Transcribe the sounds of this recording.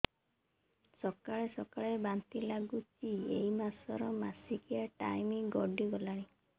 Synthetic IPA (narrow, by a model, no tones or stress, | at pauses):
sɔkaɭesɔkaɭebant̪ilaɡut͡ʃiejmasɔɾɔmasikiaʈajmiɡɔɖiɡɔlaɽ̃i